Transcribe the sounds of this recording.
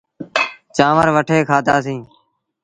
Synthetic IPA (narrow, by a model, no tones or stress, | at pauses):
t͡ʃãːʋəɾʋəʈʰeːkʰaːd̪aːs̬ĩː